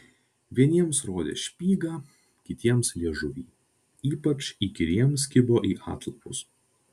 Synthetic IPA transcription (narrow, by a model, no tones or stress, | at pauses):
ʋʲiɛnʲiɛmsɾoːd̪ʲḛːʃʲpʲiːɡɑː | kʲɪt̪ʲiɛmslʲiɛʒʊʋʲiː | iːpɐt͡ʃiːkʲɪɾʲiɛms̬kʲɪboːʔiːʔɑ̰ːt̪lˠɐpʊs